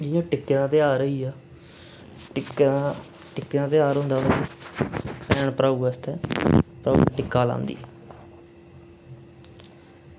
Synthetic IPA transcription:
d͡ʒɪjãːʈɪkːeːnãːt̪eaːɾəiːaː | ʈɪkː | ʈɪkːeːnãːt̪̬eaːɾɦõːnd̪aː | pɛːɳpəɾaːuːɛst̪ɛ̃ːpɾa̰ːṵʈɪkːaːlã̰ːnd̪ḭː

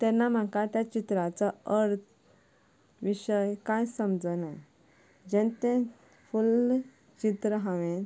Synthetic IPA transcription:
t̪ɛnːam̤akat̪jat͡ɕit̪ɾat͡saəɾt̪ʰ | ʋiɕəjkãjsəmd͡zəna | d͡ʑɛ̃nt̪ɛ̃ | ful | t͡ɕit̪ɾəɦãʋẽn

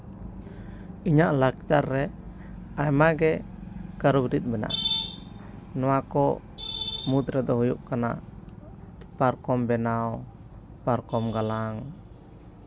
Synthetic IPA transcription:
iɲaʔlak̚t͡ʃaɾːɛ | ajmaɡɛ | kəɾubɾit̪̚ˀbɛna̰ʔ | nɔwakɔ | mut̪ɾɛd̪ɔɦujṵʔkana̰ʔ | paɾkɔmbɛnaw | paɾkɔmɡalaŋ

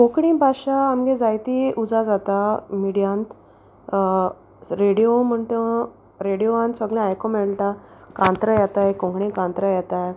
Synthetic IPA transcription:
kõkɽĩːbʱaɕaːmɡed͡zajt̪iʔud͡zad͡zat̪amiɽijãnt̪ | ɾeɽijom̤əɳʈ̪ə | ɾeɽijoʋãnt̪səɡlẽajkomeɭʈakãnt̪ɾəjɛt̪ajkõŋɡɽẽkãnt̪ɾəjɛt̪aj

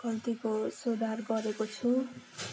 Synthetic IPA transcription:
kʌlt̪ikosod̪ʱarɡʌɾekot͡sʰu

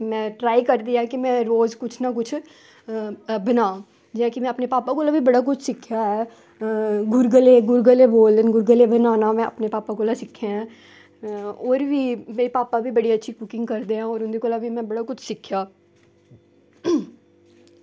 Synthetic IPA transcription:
mɛ̃ːʈɾaːikɐɾd̪ijaɦɛkimɛ̃ɾoːzkʊt͡ʃʰnakʊt͡ʃʰ | bɐnãː | d͡ʒɛ̃kimɛ̃ɐpnepaːpakolabʱibɐɽak̬ʊt͡ʃʰsɪkʰjaɦɛː | ɡʊɾɡəleɡʊɾɡəleboːlənɡʊɾɡəlebɐnaːnamɛ̃ʔɐ̰pnepaːpakolasɪkʰːeɦɛ̃ | ɔːɾbʱimeːɾipaːpabʱibɐɽiɐtːʃʰikʊkɪ̃ŋɡkɐɾd̪eɦãɔːɾʊnd̪ikolabʱimɛ̃bɐɽakʊt͡ʃʰsɪkʰjaː

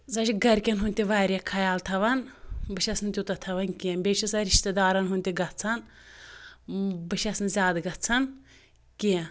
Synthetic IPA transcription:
zɐt͡ʃʰiɡɐɾʲkʲɐnɦunʲt̪ʲiʋaːɾʲekʰɐjaːlt̪ʰɐʋɐnbɨʃɐsnt̪ʲut̪ɐt̪ʰɐʋɐnkʲimbʲet͡ʃʰisɐɾiʃt̪ɐd̪aːɾɐnɦunʲt̪ʲiɡɐtt͡sʰɐn | bɨʃʰʲɐsnzʲaːd̪ɡɐt͡sʰɐn | kʲi

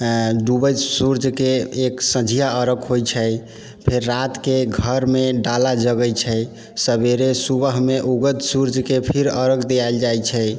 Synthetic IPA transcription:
ɖubəjsuɾd͡ʒʱkeːksə̃d͡ʒʱijaəɾəkɦojt͡ʃʰəj | pʰeɾːat̪keɡʱəɾmeɖalad͡ʒəɡəjt͡ʃʰɛ | səbeɾesubəɦmeʔuɡət̪suɾd͡ʒʱkepʰiɾəɾəkd̪ejajld͡ʒajt͡ʃʰɛj

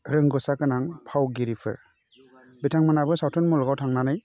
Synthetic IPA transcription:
ɾɯŋɡɔsakɯnaŋpʰawɡiɾipʰɯ̰ɾ | bitʰaŋmanabɯsawtʰɔnmɔlɔɡawtʰaŋnanɯj

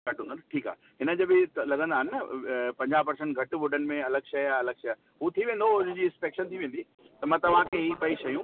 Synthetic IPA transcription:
ɐʈɦũnd̪nʈʰiːka̰ː | ɦɪnə̆d͡ʑɐbɪlɐɠə̃nd̪aːɦɪnɪnɐpɐ̃ɲd͡ʑaːpɐɾsẽɳʈ̚ɡʱɐʈʋʊɖənɪ̆mẽɐləɡʃɐjaɐləɡʃɐ | ɦut̪ʰiʋẽːnd̪õd͡ʑiːɪ̃nspeːkʃənt̪ʰiʋẽːn̆d̪i | t̪ɐmãːt̪ɐʋ̤ãkeɦipɐiʃɐjũː

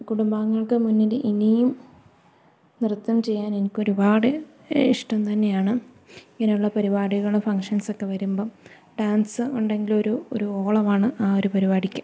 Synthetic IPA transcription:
kuɽumbaːŋːɐɭkɨmunːileʔinijum | nirt̪ːɐmt͡ɕe̞jːaːne̞nikʲːo̞ɾubaːɽɨ | iʂʈɐmt̪ɐnːe̞jaːɳɨ | iŋːɐnejuɭːɐpɐɾibaːɽiɣɐɭɨfɐŋkʂɐnso̞kːe̞ʋɐɾumbo̞ː | ɖaːnsɨuɳɖe̞ŋɡilo̞ɾuo̰ɾuoːɭɐmaːɳɨʔaːo̞ɾupɐɾibaːɽikʲːu

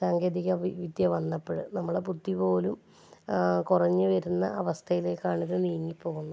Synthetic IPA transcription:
saːŋɡeːd̪iɣɐʋiʋid̪jɐʋɐnːɐpːɐɻɨnɐmːɐɽeput̪ːipo̞ːlum | kurɐɲːɨʋɐɾunːɐ̰ɐʋɐst̪ʰɐjileːkːaːɳiɣɨniːjɐŋːipːo̞ːɣunːɐ

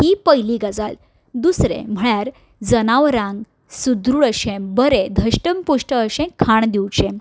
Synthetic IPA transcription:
hipəjliɡəd͡zal | d̪usɾḛ̃m̤əɭjaɾ | d͡zənaʋɾãŋɡ | sud̪ɾuɭəɕẽmbəɾed̪ʱəɕʈəmpuʂʈəːɕẽkʰːaɳd̪iwt͡ɕẽm

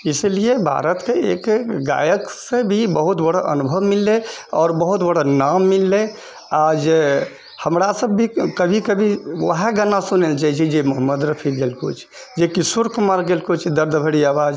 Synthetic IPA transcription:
isliebʱa̰ɾət̪keḛkɡa̰jəksẽbʱibəɦut̪bəɽ̤aʔə̰nubʱəʋmilːeɔːɾbəɦut̪bəɽ̤ənamːilːe | ad͡ʒe | həmɾasəbːʱikəbʱikəbʱiʋə̰ɦeɡənasuneld͡ʒat͡ʃʰid͡ʒemɔɦəmːəd̪ɾəpʰiɡelko̰t͡ʃʰ | d͡ʒekisuɾkumaɾɡelkot͡ʃʰd̪əɾd̪bʱəɽiaʋad͡ʒ

